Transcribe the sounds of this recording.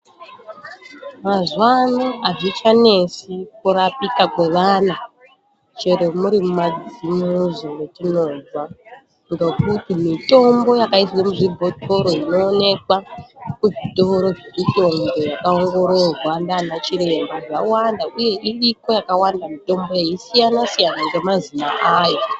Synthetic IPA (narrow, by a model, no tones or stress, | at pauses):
mazwanaaʐit͡ʃane̞sikurapikakwe̞ʋana | t͡ʃe̞ɾemuɾimumad͡zimuzoetino̞d͡zwa | ŋɡe̞kutimito̞mbo̞jakaiswemuʐibʱo̞tʰo̞ɾo̞ino̞ːne̞kwakuʐito̞ɾo̞ʐemito̞mbo̞jakaoŋɡo̞ɾo̞rwandanat͡ʃiɾe̞mbaʐawandaʔuje̞ʔiriko̞jakawandamito̞mbo̞jeisijanasijanaŋɡe̞mazinaʔaːjo